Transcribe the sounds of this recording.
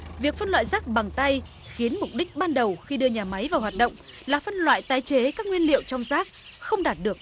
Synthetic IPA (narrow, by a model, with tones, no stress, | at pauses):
vi˨˩ək̚fə˧nlwa̰ː˧˨jzaː˦˥k̚ɓa˨˩ŋt̪a˧j | xi˨˦ənmʊ˨˩k͡p̚ɗï˦˥k̟̚ɓaː˧nɗə˨˩wxi˧ɗɨ˧əɲaː˨˩ma˨˦jvaː˨˩wɦwaː˨˩t̚ɗə̰˧˨wŋ͡m | laː˨˩fə˧nlwa̰ː˧˨jt̪aː˨˦jt͡ɕe˨˦kaː˦˥k̚ŋwi˧ənlḭ˧˨əwt͡ɕɔ˧wŋ͡mzaː˦˥k̚ | xə˧wŋ͡mɗaː˨˩t̚ɗɨ˨˩ək̚